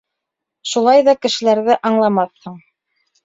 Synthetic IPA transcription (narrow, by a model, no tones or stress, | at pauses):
ʃulˠɑjðɑkɘ̆ʃɘ̆læɾðɘʔɑɴlˠɑmɑθhɤɴ